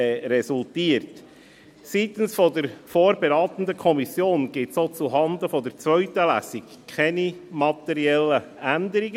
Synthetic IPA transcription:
ɛɾɛsultiːəɾt | sit̪ən̩sfɔdəɾfoːɾbɛɾɑːt̪ən̩dəkʰɔmisjoːnɡ̥ɪtsoːt͡suɦɑnd̪əfɔdəɾt͡sʋœʏtəlæ̰sɪk | kʰχɛnimɑt̪ɛɾiɛlə | ændəɾiɡə

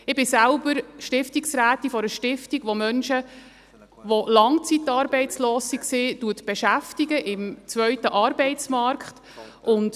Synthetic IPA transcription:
ɪbɪsælbəɾʃtɪftiksɾæːt̪ifɔɾəʃtɪftiɡʋomœnʃə | ʋolɑŋt͡sitːɑːɾbɛɪt͡sloːsiksɪtuətb̥ɛʃæftiɡəʔɪmt͡svœɥtəʔɑːɾbɛɪt͡smɑɾkχt | ʔʊnt

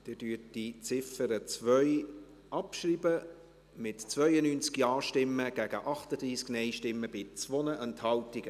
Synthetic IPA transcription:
d̥ɪdyːətdit͡sɪfəɾət͡svœʏ | ʔɑpʃɾiːbə | mɪtt͡svœʏənyːnt͡skjɑːʃtɪmːəɡ̥æɡ̥əʔɑχtəd̪ɾiːsknɛɪʃtɪmːəb̥ɪt͡svɔnəʔɛnthɑltɪɡ̥ə

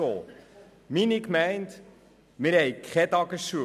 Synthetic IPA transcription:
o | minikmɛjnt | miɾɛjkχɛtɑkəsu

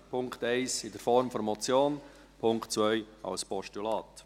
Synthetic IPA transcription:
pʰʊŋkt̪ɛɪsɪdəɾfɔɾmfɔɾmɔt͡sjoːn | pʰʊŋktt͡svœʏ | ɑ̰lspɔʃtylɑːt̪

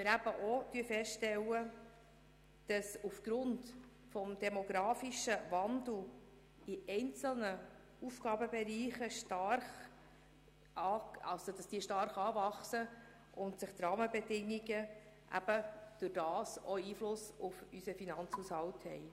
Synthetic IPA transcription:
mɪɾæb̥əʔɔd̥yəfɛstʃtɛlːə | d̥ɑsufɡ̥ɾʊnt | fɔmd̥ɛmɔɡɾɑːfiʃəvɑnd̪l̩ | iʔɛɪnt͡sl̩nə | ufɡ̥ɑːbəbɛɾiːχəʃtɑrχ | ɑːɑ̰lsod̥ɑsd̥iːəʃtɑɾχɑːvɑχsə | ʔʊntsɪχt̪ɾɑːməbɛdɪŋːiɡə | ʔæ̰b̥əd̥ʊɾd̥ɑːsɔiːflʊsufysəfinɑnt͡shushɑlthɛ̰ɪ

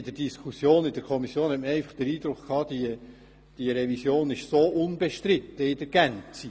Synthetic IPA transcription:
ɪd̥̪əɾdiskʰusjoːnɪd̥əɾkʰɔmisjoːnhɛt̪məɾɛɪfɑχd̪̥əɾiːd̥̪ɾʊkkʰɑːd̥̪iə | d̥iəɾɛvisjoːnɪʃsoːʔʊnbeʃtɾɪt̪ːəɪdəɾɡ̥ænt͡si

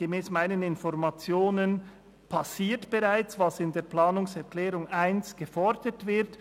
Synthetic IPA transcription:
ɡ̥emɛːsmaɪnənɪnfɔʁmat͡sjoːnən | pʰasiːɐtb̥eʁaɪt͡svɑsɪndeːɐplaːnʊŋsɛɐklɛːɾʊŋaɪnsɡ̥əfɔɾd̥ətv̥ɪt

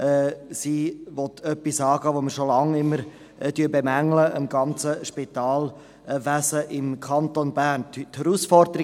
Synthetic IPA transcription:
ʔɛsiːvɔtʰœpːisɑːɡəʋoməɾʃolɑŋɪmːəɾ | tyːbemæŋləʔəmɡɑnt͡səʃpit̪ɑːl | ʋæsəʔɪmkʰɑntonbæːɾntt̪hɛɾusfɔɾd̥̪əɾi

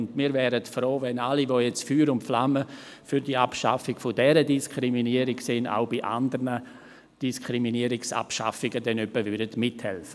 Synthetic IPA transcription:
ndmiːɾvɛːɾətfɾoːvɛnalivojɛt͡sfyːɾʊnflamə | fyɾdiːapʃa̰fɪɡ̥fʊdɛɾədiskʰɾiminiəɾɪɡsɪna̰ʊbiʔa̰ndəɾnə | d̥iskʰɾiminiəɾɪksa̰pʃa̰fɪɡədɛnœpːəvʏɾdədmɪthɛlfə

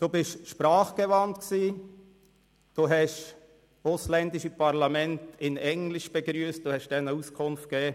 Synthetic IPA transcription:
d̪̥obɪʃʃpɾɑːχɡ̥ɛvɑntksiː | d̥oːɦɛʃ | ʊslɛndɪʃipɑɾlɑmɛntɪnɛŋlɪʃb̥ɛɡɾyːəst̚d̥oːhɛʃd̥ɛnəuskʰʊnft̚ɡ̥ɛː

